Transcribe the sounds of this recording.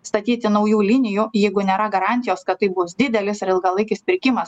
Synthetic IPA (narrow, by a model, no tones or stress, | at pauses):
st̪ɐt̪ʲiːt̪ʲɪnɐʊjuːlʲɪnʲɪjujɛɪɡʊnʲeːɾɐɡɐɾɑːˑnʲt̪ʲɪjoːskɐt̪ːɐɪbʊsd̪ʲɪd̪ʲɛlʲɪsɐɾɪlˠɡɐlˠɐɪkʲɪspʲɪɾʲkʲɪmɐs